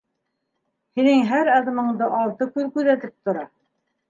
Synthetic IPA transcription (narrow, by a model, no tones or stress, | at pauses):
hinɘŋɦæɾɑðɤ̆mɤ̆ɴd̪ɤʔɑlt̪ɤkʉðkʉðæt̪ɘp̚t̪ŏɾɑ